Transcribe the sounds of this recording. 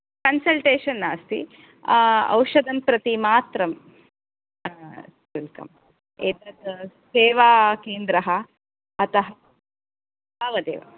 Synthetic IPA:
kɐnsɐlʈeːʃɐnːaːst̪ḭ | ɐ̰wʂɐd̪ʱɐnpɾɐt̪imaːt̪ɾɐm | ilkɐ̰m | eːt̪ɾɐt̪seːʋaːkeːnd̪ɾɐɦɐ | ɐt̪ɐɦɐ | baːʋɐd̪ḛːʋɐ̰

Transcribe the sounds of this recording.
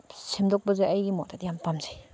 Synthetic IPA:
semdɔk̚bɐzeʔajɡimɔʔdatjampamzḁj

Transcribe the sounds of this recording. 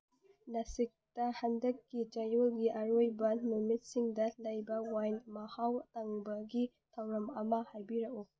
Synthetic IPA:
lɐsik̚tɐhɐndɐkːid͡ʒɐjolɡiʔɐɾojbɐnmumit̚siŋdɐlɐjbɐwajnmɐhawtɐŋbɐɡi | tʰɐwɾɐmɐmɐhajbiɾɐʔu

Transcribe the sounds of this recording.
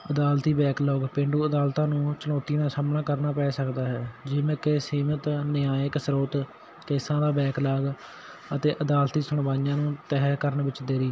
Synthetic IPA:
əd̪aːlt̪iːbɛːklɔːɡpɪɳɖuːəd̪aːlt̪ãːnũːt͡ʃənɔːt̪iːnãːsaːmnaːkəɾnaːpɛːsəkd̪aːɦɛːd͡ʒɪmẽkesiːmət̪nɪaːjəksɾoːt̪ | keːsãːd̪aːbɛːklaːɡ | ət̪eːʔəd̪aːlt̪iːsəɳ̃ʋaːnɪjãːnũːt̪ɛːɦkəɾənʋɪt͡ʃd̪eːɾiː

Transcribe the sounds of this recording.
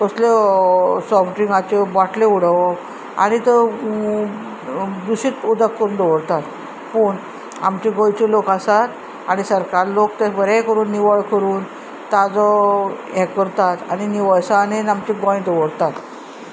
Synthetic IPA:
kəsle | sɔfʈiŋɡat͡ɕebaʈʰleuɽəʋɔk | a̰ɽ̃it̪ə | d̪uɕiːt̪ud̪akːəɾuːnd̪ɔʋəɽt̪at̪ | pəːɳ | a̰mt͡ɕiɡɔ̃jt͡ɕelokasat̪ | añisəɾkaɾlokt̪ebəɾakəɾuːnːiʋəɭkəɾuːn | t̪ad͡zɔjɛ̃kəɾt̪at̪añiniʋəɭsanenamt͡ɕiɡɔ̃j̃d̪ɔʋəɽt̪at̪

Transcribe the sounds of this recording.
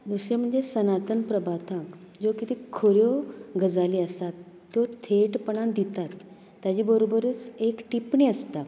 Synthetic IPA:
d̪usjem̤əɳd͡zesənat̪ənpɾəbʱat̪akd͡zokit̪ikʰoɾjoɡʱəd͡zaliəsat̪ːjot̪ʰeʈpəɳãnd̪it̪at̪ː | jad͡ʑiːbəɾobəɾət͡sekʈipɳiəst̪a

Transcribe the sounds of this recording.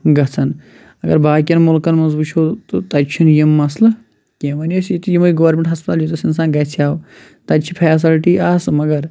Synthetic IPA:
ɡɐt͡sʰɐn | ɐɡɐɾbaːkʲjɐnmulkɐnmɐnzbut͡ʃʰoːt̪ɨt̪ɐt͡ʃʰunjimːɐslɐ | kʲeʋɐnjosit̪ujimɐiɡɐʋɐɾmʲeɳʈɦɐspɐt̪aːljot̪usins̬ãːnɡɐt͡sʰaːw | t̪ɐt͡ʃʰipʰɛːs̬ilʈiːʔaːsmɐɡɐɾ

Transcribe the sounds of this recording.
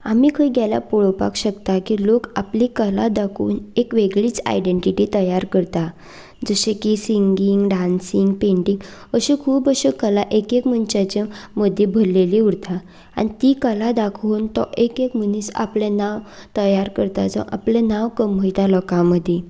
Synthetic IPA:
amiːkʰəiɡjala̰poɭopa̰kɕəkt̪akilokapliːkəlad̪akʰṵːnekʋeɡɭiːt͡sa̰jɖeɳʈiʈiːt̪əjaɾkəɾt̪a | d͡zəɕekisiŋɡiŋɡɖansiŋɡpeɳʈiŋɡəɕekʰuːpəɕekəlaʔekekm̤ənt͡ɕat͡ɕeməd̪ʱːjebʱəlːeliuɽt̪ʰa | a̰ñit̪iːkəlad̪akʰuːnt̪ɔʔekekm̤əniːsa̰plenaʋ | t̪əjaɾkəɾt̪ad͡zə̰ʔa̰plɛnaʋkəmɦəjt̪alɔkãməd̪ʱje

